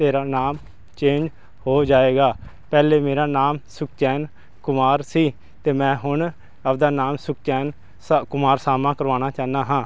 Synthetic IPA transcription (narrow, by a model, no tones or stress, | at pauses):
t̪eːɾaːnaːm | t͡ʃẽːnd͡ʒ | hoːd͡ʒaːeːɡaː | pɛːleːmeːɾaːnaːmsʊkt͡ʃɛːn | kʊmaːɾsiː | t̪eːmɛ̃ːɦʊɳ | əpd̪aːnaːmsʊk̚t͡ʃɛːn | kʊmaːɾsaːmãːkəɾʋaːñaːt͡ʃaːnaːɦãː